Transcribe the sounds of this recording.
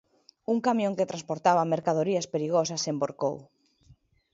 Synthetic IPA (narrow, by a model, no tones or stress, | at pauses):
uŋkamjõŋket̪ɾanspoɾt̪aβameɾkaðoɾiɐspeɾiɣ̞osɐsemboɾko̰w